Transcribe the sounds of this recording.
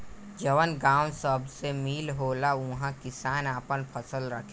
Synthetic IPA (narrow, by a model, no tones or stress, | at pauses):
d͡ʒəʋənɡãːwsəbʱsemiːlɦoːlaʊɦãkɪsaːnaːpənpʰəsəlɾəkʰː